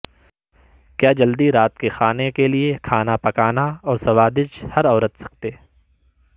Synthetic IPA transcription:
kjaːd͡ʒɐld̪iɾaːt̪kexaːnekeliekʰaːnapɐkaːnaɔːɾsɐʋaːd̪ɪd͡ʒhɐɾɔːɾət̪sɐ̥k̚t̪eː

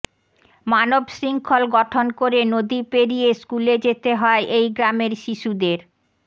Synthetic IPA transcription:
manobʃɾiŋkʰolɡɔʈʰonkoɾenod̪ipeɾijeskuled͡ʑet̪eɦɔeʔejɡɾameɾʃiʃud̪eɾ

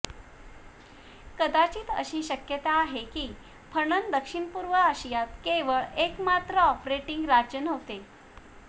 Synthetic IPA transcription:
kəd̪at͡ɕiːt̪ə̰ɕiːɕəkjət̪aːɦekiː | pʰəɳənd̪əkʂiɳpuɾʋəaɕijat̪keʋəɭekmat̪ɾəɔpɾeʈiŋɡɾad͡ʑjənɦot̪e

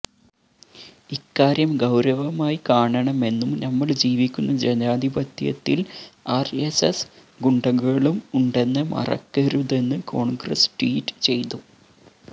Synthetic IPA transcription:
ikːaːɾjɐmɡɐwɾɐʋɐmaːjikaːɳɐɳɐme̞nːumnɐmːɐɭd͡ʑiːʋikʲːunːɐd͡ʑenaːd̪ʱibɐt̪jɐ̰t̪ːilaːreses | ɡuɳɖɐɣuɣɐɭumuɳɖe̞nːɐmʔɐ̰rɐ̰kːɐɾuðe̞nːɨko̞ːɳɡrɐ̰sʈiːʈːɨ̥t͡ɕe̞jt̪u

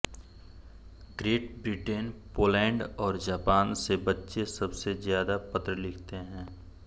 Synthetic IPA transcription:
ɡɾeːʈbɾiʈeːnpoːlɛ̃ːɳɖɔːɾd͡ʒaːpaːnsebɐtːʃesɐbsezjaːd̪apɐt̪ɾəlɪkʰt̪eɦɛ̃ː

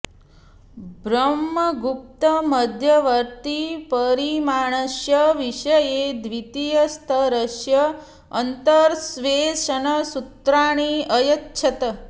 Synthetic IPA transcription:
bɾəmːəɡup̚t̪əməd̪ʱjəʋəɾt̪ipəɾimaɳ̃əʃjəʋiʃəjed̪ʋit̪ijəst̪ʰəɾəʃjəː | nt̪əɾsʋeʃənəsut̪ɾaɳ̃iəjətːt͡ʃʰɐt̪ə

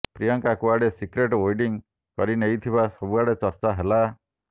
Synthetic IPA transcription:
pɾijɔŋkakuaɽesikɾeʈojɖiŋ | kɔɾinejt̪ʰibasɔbuaɽet͡ʃɔɾt͡ʃaɦela

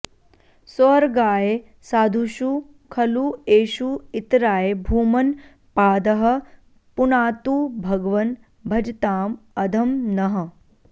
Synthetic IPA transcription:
sɐɾɡaːje | saːd̪ʱuʃu | kʰɐlueːʃuit̪ɾaːjebʱuːmɐn | paːd̪ɐɦɐ̆ | punaːt̪uːbʱɐɡɐʋɐn | bʱɐd͡ʒt̪aːmɐd̪ʱɐmnɐɦɐ̆

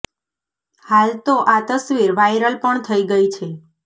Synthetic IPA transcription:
halt̪oʔat̪əsʋiɾʋajɾəlpəɳt̪ʰəiɡəit͡ʃʰe

